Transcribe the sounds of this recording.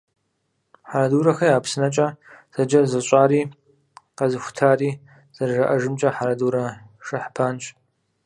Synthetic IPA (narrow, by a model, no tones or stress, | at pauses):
ħaɾɐduːɾɐxɐjaːpsɨnɐt͡ʃʼɐz̥ɐd͡ʒɐrzɐɕʼaːɾiː | qɐzɨxʷʊ̥tʰaːriː | z̥ɐrʒɐʔɐʒɨmt͡ʃʼɐħaɾɐduːɾɐʂʼɐħpʰaːnt͡ʃʼ